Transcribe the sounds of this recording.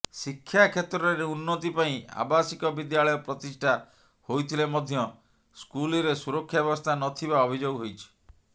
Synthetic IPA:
sikʰːjakʰet̪ɾɔɾeunːɔt̪ipaĩa̰basikɔbid̪jaɭɔjɔpɾɔt̪isʈʰa | hojt̪ʰilemɔd̪ʱjɔ | skuliɾesuɾɔkʰːjabebɔst̪ʰanɔt̪ʰibaɔbʱid͡ʒoɡɦojt͡ʃʰi̥

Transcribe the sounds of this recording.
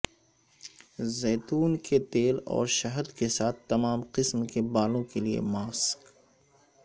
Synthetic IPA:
zɛːt̪uːnket̪eːlɔ̰ːɾʃɐɦəd̪kesaːt̪ʰːɐmaːmqɪsmkebaːlõkeliḛmaːsk

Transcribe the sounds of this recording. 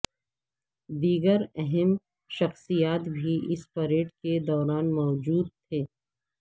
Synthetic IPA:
d̪iːɡəɾɛɦɛm | ʃɐxsijaːt̪bʱiʔɪspɐɾeːʈked̪ɔːɾaːnmɔːd͡ʒuːd̪̚t̪ʰeː

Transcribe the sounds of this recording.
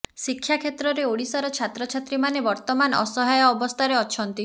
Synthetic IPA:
sikʰːjakʰet̪ɾɔɾeoɽisaɾɔt͡ʃʰat̪ɾɔt͡ʃʰat̪ɾimanebɔɾt̪ɔmanɔ̰sɔɦajɔːbɔst̪ʰaɾeɔt͡ʃʰɔnt̪i

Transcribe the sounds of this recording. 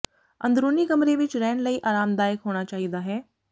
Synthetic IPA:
ɐ̰̃nd̪ɾoːnikɐmɾeʋɪt͡ʃɾɛːnləiːʔaːɾaːmd̪aːjɪkɦoːɽ̃at͡ʃaːɦid̪aɦɛː

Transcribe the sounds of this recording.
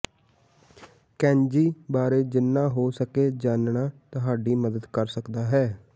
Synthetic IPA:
kɛ̃ːɲd͡ʒiːbaːɾeːd͡ʒɪnːãːɦoːsəkeːd͡ʒaːnɳaːt̪ʊɦaːɖiːməd̪əd̪kəɾsəkd̪aːɦɛː

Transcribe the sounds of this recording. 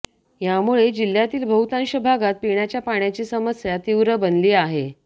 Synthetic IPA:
jamuɭed͡ʑil̤ːjat̪iːlbʱəɦut̪ãnɕəbʱaɡat̪̚piɳjat͡ɕjapaɳjat͡ɕiːsəməsjat̪iʋɾəbənliːaɦe

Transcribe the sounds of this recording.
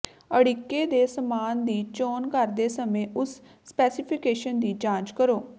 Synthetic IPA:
əɽikːeːd̪eːsəmaːnd̪iːt͡ʃoːnkəɾd̪eːsəmẽːʔʊsː | pɛːsɪpʰɪkeːʃənd̪iːd͡ʒãːt͡ʃkəɾoː

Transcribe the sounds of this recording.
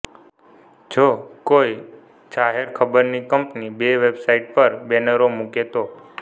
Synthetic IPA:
d͡ʒʰokoj | t͡ʃaɦeɾkʰəbəɾnikəmpnibeʋebsaiʈ̚pəɾbɛnəɾomuket̪o

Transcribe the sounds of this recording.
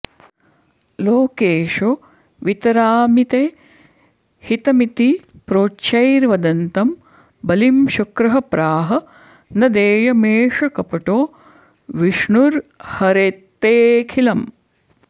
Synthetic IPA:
loːkeːʃo | ʋit̪ɐɾaːmit̪eː | hit̪ɐmit̪ipɾoːtːʃɐjɾʋɐd̪ɐnt̪ɐm | bɐlimʃɐkɾɐɦɐpɾaːɦɐ̆ | nɐd̪eːjɐmeːʂɐkɐpɐʈoː | ʋiʂɳuɾhɐɾet̪ːeːkʰilɐm

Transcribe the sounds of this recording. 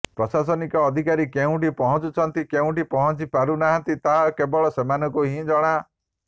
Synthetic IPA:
pɾɔsas̬ɔnikɔːd̪ʱikaɾikeũʈipɔɦɔt͡ʃut͡ʃʰɔnt̪ikeũʈipɔɦɔt͡ʃipaɾunaɦãnt̪it̪aɦakebɔɭɔsemanɔ̃kuɦĩd͡ʒɔɽ̃a

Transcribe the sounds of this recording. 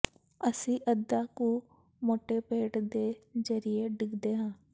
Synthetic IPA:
əsĩːʔəd̪aːkũː | moːʈeːpeːʈd̪eːzəɾieːɖɪkd̪eːɦãː

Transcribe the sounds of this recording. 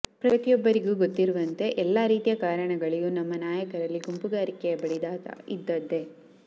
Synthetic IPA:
pɾɐt̪ijɔbːɐɾiɡuːɡot̪ːiɾuʋɐnt̪e̞ʔɛlːaːɾiːt̪ijɐkaːɾɐɳɐɡɐɭijuːnɐmːɐnaːjɐkɐɾɐlːiɡumpuɡaːɾikɛjɐbɐɽid̪aːt̪ɐ̰ḭd̪ːɐd̪ːe̞

